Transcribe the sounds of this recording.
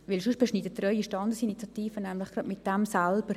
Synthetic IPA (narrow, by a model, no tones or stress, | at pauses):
ʋɪlʃʊʃb̥eʃniːdət̪ːrœʏiʃtɑnd̪əsinit͡sjɑt̪iːfənɛmlɪχɡ̥rɑdmɪt̚d̥ɛmsælb̥əɾ